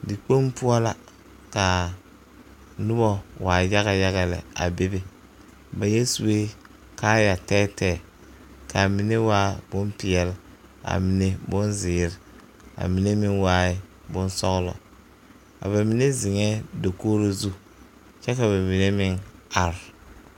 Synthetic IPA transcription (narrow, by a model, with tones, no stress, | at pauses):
dɪ˨k͡po˦mpu˦ɔ˦la˦ | ka˨ | nʊ˦bɔ˦waː˨ja˦ɣa˦ja˦ɣa˨lɛ̰˨a̰˨be˦be˦ | ba˨jɛ˦su˨e˦ | kaː˦ja˨tɛː˦tɛː˦˨ | ka˨mi˨ne˦waː˦b̥ʊ˦mpɪ˨ɛ˨lɪ˦a̰˨mi˨ne˦bʊ˦nzɪː˨ɾɪ˨ | a̰˨mi˨ne˦mɪ˦ŋwaː˦ɪ˦bʊ˦n˦sɔ˦ɣlɔ̰˨ | a̰˨ba˨mi˨ne˦zɪ˨ŋɛ˦do˨koː˦ɾo˦zu˦ | t͡ʃɛ˦ka˨βa˨mi˨ne˦mɪ˦ŋa˨ɾɪ˨